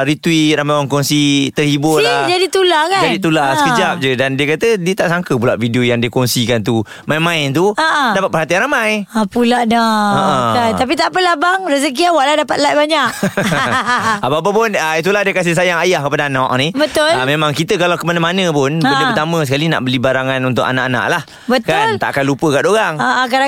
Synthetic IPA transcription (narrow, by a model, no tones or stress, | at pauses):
ɾit̪wiɾamajwankɔnsit̪ərhibʊlad͡ʒadit̪ulakad͡ʒadit̪̬ulasəkəd͡ʒap̚d͡ʒədandiəkat̪ədiət̪aʔsaŋkəp̬ulaʔfidiojaŋdiəkɔŋsikant̪u | majmãɪnt̪̬uəʔədapat̪̚pərhɦat̪ianramajapulaʔdaəʔəkajt̪ap̬it̪aʔpəlabaŋrəzəkiawaʔladapat̪̚lat̪̚baɲaʔ̚ | abap̬əpʊnəit̪̬ulahdiəkas̬ɪhsajaŋajahkəpadaanaʔnibət̪ʊlamẽmãŋkit̪əkalawkəmanəmanə̃pʊnbəəpət̪amə̃s̬əkalina̰ʔbəlibaɾaŋanunt̪ʊka̰naʔana̰ʔlah | bət̪kanlt̪a̰ʔakanlupəkad̪oɾaŋaʔkaa